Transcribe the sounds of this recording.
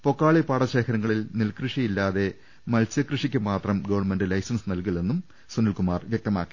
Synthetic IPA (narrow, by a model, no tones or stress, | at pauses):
po̞kːaːɭipaːɽɐɕe̞ːkʰɐɾɐŋːɐɭilnilkrɨʂijilːaːðe̞ | mɐlsjɐkrɨʂikʲːɨmaːt̪rɐmɡoʋɐrɳme̞ndɖɨlɐjsɐnsɨnɐlk̬iɭenːum | sunilkumaːrʋjɐk̚t̪ɐmaːkːi̥